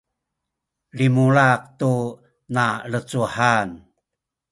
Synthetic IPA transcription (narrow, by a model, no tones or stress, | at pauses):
limuɭaq̚tu | nalət͡suħan